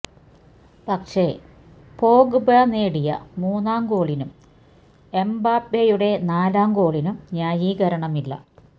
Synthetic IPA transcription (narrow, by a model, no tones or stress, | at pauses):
pɐkʂe̞ | poːɡɨbɐneːɽijɐ̰muːnːaːmɡo̞ːɭinum | e̞mbaːpːejuɽe̞naːlaːmko̞ːɭinumɲaːjiɡɐɾɐɳɐmilːɐ̰